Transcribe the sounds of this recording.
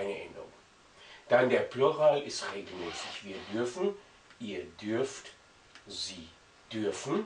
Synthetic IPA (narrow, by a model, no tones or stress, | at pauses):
ɪnəʔɛndəʁʊ̰ŋ | d̥andeːɐpluʁaːlɪstʁeːɡl̩mɛːsɪçv̥iːɐdʏɐfn̩ | ʔiːɐdʏɐft | ziː | d̥ʏɐfn̩